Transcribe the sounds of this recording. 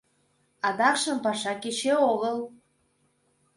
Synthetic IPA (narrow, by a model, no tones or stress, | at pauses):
ɑd̪ɑkʃə̆mpɑʃɑkeʃeoɣəl